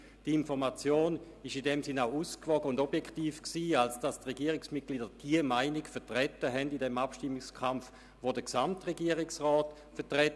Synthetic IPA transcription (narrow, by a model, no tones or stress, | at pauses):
d̥infɔʁmat͡sjoːn | ɪʃidɛmsinaʊuːskvɔɡəʊndobjɛkχtiːfksiːalsd̥astʁeɡiəʁɪksmit̚ɡliːdəd̥iəmaɪnikfɛɐtʁɛtəɦɛndidɛmapʃtimːikskʰamf | vodəksamtʁeɡiəʁɪksʁɔːt | fɛɐtʁɛt